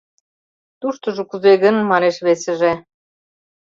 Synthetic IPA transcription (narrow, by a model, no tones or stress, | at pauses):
t̪uʃt̪ŏʒŏkuzeɣə̆nmɑneʃβesɘ̆ʒe